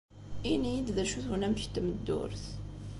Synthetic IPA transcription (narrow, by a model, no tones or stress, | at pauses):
inijid̪ðæʃuθwnæmçt̪məd̪ːʊ̰ɾθ